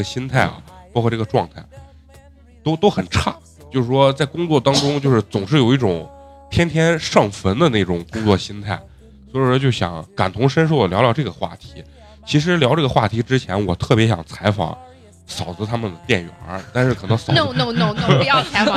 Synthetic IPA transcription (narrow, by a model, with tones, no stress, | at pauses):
ɡə˩ɕi˥nt̪ʰa˥˩ɪɐ̰˩pɑ˥kʰɔ˥˧ʈ͡ʂɤ˥˩ɡə˧ʈ͡ʂwɑ˥˧ŋt̪ʰa˥˩ɪ | t̪o˥ʊt̪o˥ʊxə˨˩nʈ͡ʂʰɑ˥˩ŋ | t͡ɕjo˥˧ʊʂɻ̩˥˩ʂwɔ˥t͡sa˥˩ɪkʊ˥ŋt͡swɔ˥˧˩t̪ɑ˥ŋʈ͡ʂʊ˥ŋt͡ɕjo˥˧ʊʂɻ̩˥˩t͡sʊ˨˩ŋʂɻ̩˥˩jo˨˩ʊi˥˩ʈ͡ʂʊ˨˩˦ŋ | t̪ʰjɛ˥nt̪ʰjɛ˥nʂɑ˥˩ŋfə˧˥nd̪ə˧ne˥˩ʈ͡ʂʊ˨˩ŋkʊ˥ŋt͡swɔ˥˩ɕi˥nt̪ʰa˥˩ɪ | swɔ˥i˨˩ʂt͡ɕjo˥˩ʊɕjɑ̰˧˩˥ŋka̰˨˩nt̪ʰʊ˧˥ŋʂə˥nʂ̬o˥˩ʊd̪ə˩ljɑ˧˥ʊljɑ˧˥ʈ͡ʂɤ˥˩ɡə˩xwa̰˥˩t̪ʰi̥˧˥ | t͡ɕʰi˧˥ʂ̬ɻ̩˧˥ljɑ˧˥ʊʈ͡ʂɤ˥˩ɡə˩xwa˥˩t̪ʰi˧˥ʈ͡ʂɻ̩˥t͡ɕʰjɛ˧˥nwɔ˨˩t̪ʰɤ˥˩pjɛ˧˥ɕjɑ̰˨˩ŋt͡sʰa˧˥ɪfɑ̰˨˩˦ŋ | sɑ˨˩ʊd͡zə˧˥t̪ʰa˥mə˨nd̪ə˩t̪jɛ˥˩nɥɛ̰˨˧˩t̪a˥˧nʂɻ̩˥˩kʰɤ˨˩nɤ˧˥ŋsɑ˨˥˧jɑ˥˩t͡sʰa˧˥ɪf